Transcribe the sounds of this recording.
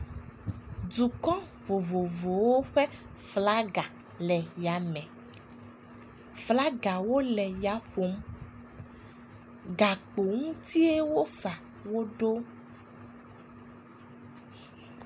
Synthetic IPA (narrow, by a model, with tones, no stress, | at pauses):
du˨kɔ̃˦ | vo˨vo˨vo˨wo˦ɸɛ˦ | fla˦ɡa˨ | lɛ˨ja˨mɛ̃˨ | fla˦ɡa˨wo˦lɛ˨ja˨ɸo˨˦m | ɡa˨k͡po˨ŋũ˦t̪i˦e˦wo˦sa˨ | wo˦ɖo˦